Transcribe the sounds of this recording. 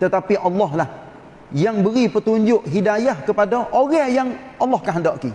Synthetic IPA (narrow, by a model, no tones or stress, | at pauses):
t̪ət̪apiʔɑlːɔɦlah | jaŋbəɾipət̪uɲd͡ʒʊʔɦidajahkəpadaʔoɣajaŋʔɑlːɑhkaɦəndɔʔki